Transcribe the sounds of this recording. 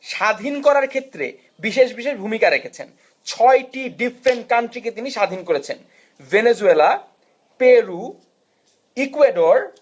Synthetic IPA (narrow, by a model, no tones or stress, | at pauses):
ʃad̪ʱinkɔɾaɾkʰet̪ːɾḛ | biʃeʃbiʃeʃbʱumikaɾekʰet͡ɕʰḛn | t͡ɕʰɔjʈiɖifʰɾeɳʈ̚kaɳʈɾiket̪iniʃad̪ʱinkoɾet͡ɕʰen | vened͡ʑuela | peɾu | ikueɖoɾ